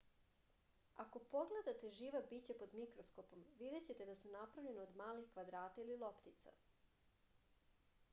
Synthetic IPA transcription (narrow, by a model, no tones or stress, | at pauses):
ako̞po̞ɡled̪at̪e̞ʒiːʋabit͡ɕapo̞d̪mikɾosko̞po̞mʋid̪e̞t͡ɕet̪ed̪asunapɾaʋʎe̞neod̪maːlixkʋad̪ɾaːt̪aililˠo̞pt̪it̪sa̰